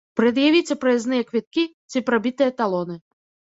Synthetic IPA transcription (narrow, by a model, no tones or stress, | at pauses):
pɾɐd̪javʲit͡sʲɛpɾɐjɛznɨjɐkvʲit̪̚kʲi | t͡sʲipɾabʲit̪ɨjɐt̪alˠɔnɨ